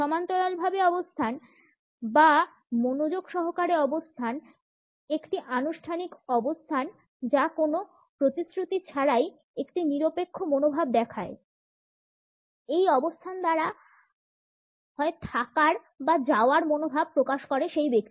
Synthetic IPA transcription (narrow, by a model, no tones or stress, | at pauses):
ʃɔmant̪olalbʱabeɔbost̪ʰan | ba | monod͡ʑoɡʃɔɦokaɾeɔbost̪ʰan | ekʈiʔanuʃʈʰanikɔbost̪ʰan | d͡ʑakono | pɾot̪isɾut̪it͡ɕʰaɾaj | ekʈiniɾopekʰːomonobʱab̚d̪ɛkʰae | ejɔbost̪ʰand̪aɾa | ɦɔet̪ʰakaɾ | bad͡ʑaoaɾmonobʱab̚pːɾokaʃkɔɾeʃejbek̚t̪i